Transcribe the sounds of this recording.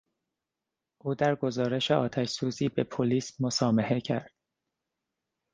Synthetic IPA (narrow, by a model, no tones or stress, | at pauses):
ʔuːd̪æɾɡo̞zɒːɾe̞ʃeɒːt̪ʰæʃsuːziːbe̞pʰoliːsmo̞sɒːmehecʰæ̰ɾd̪̥